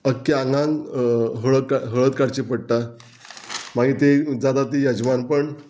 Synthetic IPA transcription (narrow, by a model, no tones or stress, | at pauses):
əkːeaŋɡãŋɡɦəɭəkaɦəɭət̪̚kaɽt͡ɕepəɽʈa | m̤aɡit̪ed͡zad̪at̪ijəd͡ʑʋanpəɳ